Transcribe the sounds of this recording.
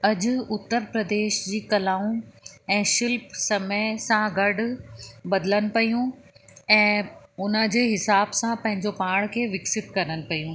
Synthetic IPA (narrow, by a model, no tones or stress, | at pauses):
ɐd͡ʑʊʊt̪ːəɾpɾɐd̪eːʃd͡ʑiːkɐlaːũɛ̃ːʃɪlpsɐməɪsãɡɐɽʊbɐd̪ɪlənɪ̆pɐjũɛ̃ːʊnəd͡ʑeːɦɪsaːbsãpɐ̃ɦɪ̃ɲd͡ʑopaːɽ̃kʰeːʋɪksɪt̪kɐɾənɪ̆pɐjũː